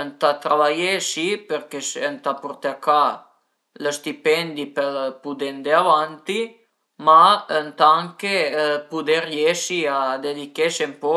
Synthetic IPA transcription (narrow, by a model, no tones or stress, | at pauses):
ənt̪at̪ɾaβajesipeɾkesənt̪apuɾt̪eaka | ləst̪ipɛnd̪ipəlpud̪end̪eaβant̪i | maənt̪aaŋkepud̪eɾjeʃiad̪ed̪ikeʃempɔ